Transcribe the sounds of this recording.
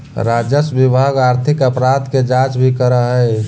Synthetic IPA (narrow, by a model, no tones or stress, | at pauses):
ɾad͡ʒəsbibʱaɡaɾt̪ʰɪkəpɾad̪ked͡ʒat͡ʃbʱikəɾəɦəe